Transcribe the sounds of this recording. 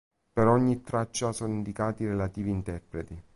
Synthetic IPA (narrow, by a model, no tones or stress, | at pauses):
peɾɔɲːit̪ːɾat͡ʃːasɔːnoind̪ikaːt̪iɾelat̪iːviːnt̪ɛrpɾet̪i